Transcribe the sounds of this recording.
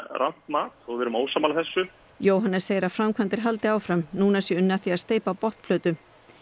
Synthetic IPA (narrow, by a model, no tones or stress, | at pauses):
rʔa̰n̥t̪maːt̪ɔɣvɛːɾʏmoːwsamalaθɛsːʏ | joːwɦanːɛseːjɪɾafɾamkʰvant̪ɪɾ̥ɦalt̪ɪaːwfɾamnuːnasjɛʏnːaθiaðst̪eːjpapɔht̪pʰlœːt̪ʏ